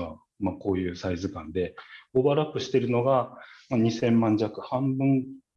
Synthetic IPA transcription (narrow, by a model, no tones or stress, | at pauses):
βa | mako̞ːjɯ̟ːsaizɨkãnd̪e̞obaɾakɯ̟ɕi̥t̪e̞ɾɯ̟no̞ɡamaɲ̟isẽ̞mːãɲ̟d͡ʑakɯ̟̥hãmbɯ̟̃ŋ